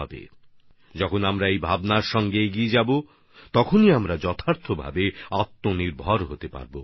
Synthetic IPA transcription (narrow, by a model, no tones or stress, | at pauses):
ɔbḛ | d͡ʑɔkʰonamɾaejbʱabnaɾʃɔŋɡeeɡied͡ʑabo | t̪ɔkʰoniamɾad͡ʑɔt̪ʰaɾt̪ʰːobʱa̰beat̪ːoniɾbʱɔɾɦot̪epa̰ɾbo